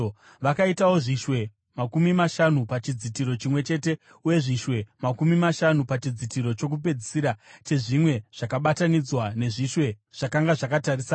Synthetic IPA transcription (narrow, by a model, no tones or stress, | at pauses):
ʋakaitawo̞ʐiʃwe̞ | makumimaʃanupat͡ʃid͡zitiɾo̞t͡ʃimwe̞t͡ʃe̞te̞ | uje̞ʐiʃwe̞makumimaʃanupat͡ʃid͡zitiɾo̞t͡ʃo̞k̬up̬e̞d͡zisiɾat͡ʃe̞ʐimwe̞ʐ̥akaɓatanid͡zwane̞ʐiʃwe̞ʐ̥akaŋɡaʐakatarisaː